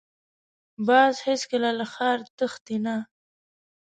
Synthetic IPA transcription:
bɑzheskəlalaxɑɾt̪əxt̪ina

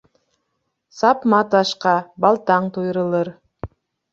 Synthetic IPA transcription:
sɑpmɑt̪ɑʃqɑbɑlˠt̪ɑɴt̪ʰujɾɯlˠɯɾ

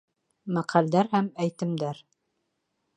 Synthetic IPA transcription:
mæqʰæld̪æɾhæmæjt̪ɘ̆md̪æɾ

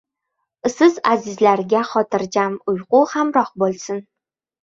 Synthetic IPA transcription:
sɨzazizlaɾɡʲaχɒt̪ʰɨɾd͡ʒamʊjquhamɾɒq̚bolsɨn

